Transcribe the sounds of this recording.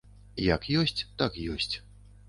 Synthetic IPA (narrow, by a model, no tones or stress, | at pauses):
jɐkjɔsʲt͡sʲt̪akjɔsʲt͡sʲ